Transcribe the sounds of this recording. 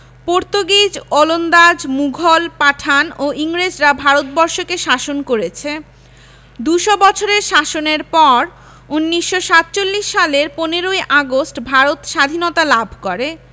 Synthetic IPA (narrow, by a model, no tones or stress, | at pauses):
poɾt̪oɡid͡ʑolond̪ad͡ʑmuɡʱolpaʈʰanoʔiŋɾed͡ʑɾabʱaɾot̪̚bɔɾʃokeʃaʃonkoɾet͡ɕʰe | d̪uʃɔbɔt͡ɕʰoɾeɾʃaʃoneɾpɔɾ | unːiʃːoʃat̪̚t͡ɕolːiʃːaleɾponeɾoeʔaɡosʈbʱaɾot̪ʃad̪ʱinɔt̪alabʱkoɾe